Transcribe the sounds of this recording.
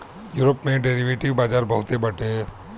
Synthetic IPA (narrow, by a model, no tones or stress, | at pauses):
juːɾəpmẽɖeːɾiʋeːʈiʋbaːd͡ʒaːɾbɐɦʊt̪ebɐʈe